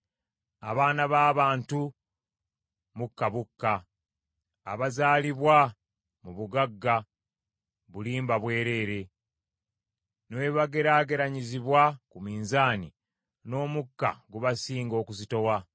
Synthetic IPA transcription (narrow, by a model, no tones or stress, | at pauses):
a̰βaːnaβaːβaːntu | mukːaβukːa | βazaːliβwa | muβuɡaɡːa | βuliːmbaβwe̞ːɾe̞ːɾe̞ | neβaɡe̞ɾaːɡe̞ɾaɲiziβwakumiːnzaːni | no̞ːmukːa̰ɡuβasiːŋɡo̞ːkuzito̞wa